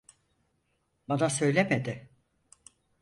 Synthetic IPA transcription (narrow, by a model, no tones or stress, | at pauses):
banasø̞jlʲemed̪ɪ